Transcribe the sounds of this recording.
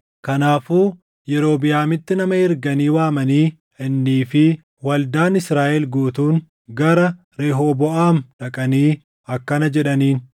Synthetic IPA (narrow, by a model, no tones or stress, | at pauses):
kɐnaːfuː | jɛɾo̞ːbɪjaːmɪt̪ːɪnɐmɐɪɾɡɐniːwaːmɐniː | ɛnːiːfɪ | wɐld̪aːnɪsɾaːʔɛlɡuːt̪uːn | ɡɐɾɐ | ɾeɦoːbɔʔaːmᶑɐkʼɐniː | ɐkːɐnɐd͡ʒɛᶑɐniːn